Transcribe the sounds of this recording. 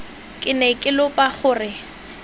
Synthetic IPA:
kʼɪnɛkʼɪlʊpʼaχʊːrɪ

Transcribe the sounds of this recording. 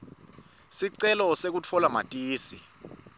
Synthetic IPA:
siǀɛlɔsek̬ut͡fʰɔlamatʼiːsḭ

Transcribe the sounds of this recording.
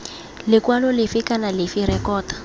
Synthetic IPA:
lɪkwalɔlɪfɪkanalɪfiɾɛkɔːtḁ

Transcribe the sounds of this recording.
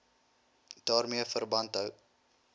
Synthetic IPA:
d̥ɑːrmiəfərbɐntɦəw

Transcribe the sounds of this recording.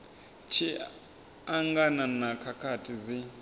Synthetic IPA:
t͡ʃʰi | aŋɡananakʰakʰatʰizi

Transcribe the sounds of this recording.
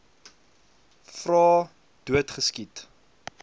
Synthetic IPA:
frɑː | d̥uətχəskit

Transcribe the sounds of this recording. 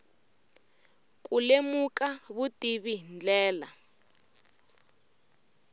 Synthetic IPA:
k̬ʼulemukaβutʼiβind͡ɮɛːla

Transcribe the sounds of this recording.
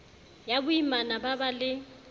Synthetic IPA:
jabʊimanababalɪ

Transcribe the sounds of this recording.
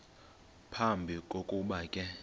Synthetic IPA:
pʰambʱikʼokʼuɓakʼɛ

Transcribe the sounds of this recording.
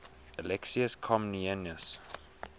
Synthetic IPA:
əlɛksiəskʰɔ̃mniɛnjəs

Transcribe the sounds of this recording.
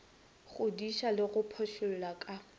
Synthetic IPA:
χʊdiʃalɪɣʊpʰɔʃʊl̩lakʼa

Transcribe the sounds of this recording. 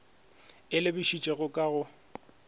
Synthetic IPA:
ɪlɪbɪʃit͡ʃʼɛɣʊkʼaɣʊ

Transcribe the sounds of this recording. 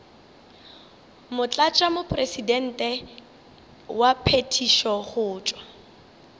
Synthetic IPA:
mʊt͡ɬʼat͡ʃʼamʊpʼresidɛn̩ːtʼɛ | wapʰetʰiʃɔχʊːt͡ʃʼwa

